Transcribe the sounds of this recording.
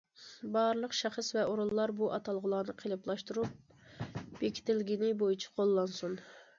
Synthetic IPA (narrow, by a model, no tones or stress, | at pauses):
bɑɾlˠəqʃæχəsvɛoɾulˠːɑɾbuʔɑt̪ʰɑlˠʁʊlˠɑːnɨqʰelˠɨplˠɑʃt̪uɾup̚ | b̥ekʲʰi̥t̪ʰɪlɡʲinɪbojit͡ʃʰi̥qʰolˠːɑnsun